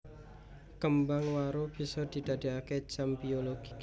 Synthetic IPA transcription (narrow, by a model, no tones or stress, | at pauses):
kəmbaŋwaɾob̥i̤sɔd̪̥i̤d̪̥a̤d̪i̤ake̥d͡ʒ̥ambioloɡ̥i